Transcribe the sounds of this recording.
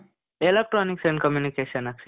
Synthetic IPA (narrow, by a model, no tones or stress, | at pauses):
elek̚ʈɾɔːniksɛ̃ɳɖkɐmjunikeːʃənɐks